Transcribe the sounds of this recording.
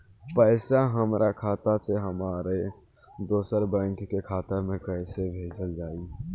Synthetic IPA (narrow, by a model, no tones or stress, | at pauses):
pəɪsaɦəmɾʔakʰaːt̪aseɦəmaːɾe | d̪oːsəɾbə̃ŋkkekʰaːt̪əɾmẽkəɪsebʱeːd͡ʒəld͡ʒaːi